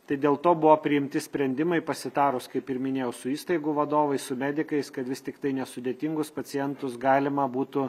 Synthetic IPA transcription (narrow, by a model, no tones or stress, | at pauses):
t̪ɐɪd̪ʲeːlˠt̪oːbʊʋopʲɾʲɪɪmʲt̪ʲɪsʲpʲɾʲɛnʲd̪ʲɪmɐɪpɐsʲɪd̪ɑːɾʊskɐɪpɪɾmʲɪnʲeːjɛʊsʊiːst̪ɐɪɡʊʋɐd̪oːʋɐɪssʊmʲæd̪ʲɪkɐɪskɐt̪ʋʲɪst̪ʲɪkt̪ɐɪnʲɛsʊd̪ʲeːt̪ʲɪŋɡʊspɐt͡ssʲɪjɛnt̪ʊsɡɑːlʲɪmɐbuːt̪ʊ